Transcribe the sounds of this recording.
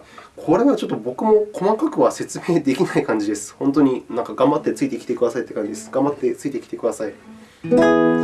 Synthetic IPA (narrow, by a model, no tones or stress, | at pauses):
kʰo̞ɾe̞βat͡ɕo̞t̪ːo̞bo̞kɯ̟mo̞kʰo̞makakɯ̟βase̞t͡sɨme̞ːd̪ekʲinaikãɲ̟d͡ʑid̪e̞sɨ̥hõ̞nt̪o̞ɲ̟inãŋkaɡãmbat̪ːe̞t͡sɨit̪eiki̥t̪ekɯ̟d̪asait̪ːekãɲd͡ʑid̪esɨ̥ɡ̥ãmbat̪ːet͡sɨit̪eikʲi̥t̪e̞kɯ̟d̪asai